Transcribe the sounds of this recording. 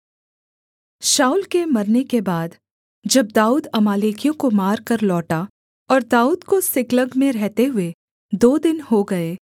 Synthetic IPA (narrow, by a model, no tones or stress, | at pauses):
ʃaːulkemɐɾnekebaːd̪ | d͡ʒɐb̚d̪aːuːd̪ɐmaːleːkijõkomaːɾkɐɾlɔːʈa | ɔːɾd̪aːuːd̪kosɪkləɡmẽɾɛɦt̪eɦʊe | d̪oːd̪ɪnhoɡɐeː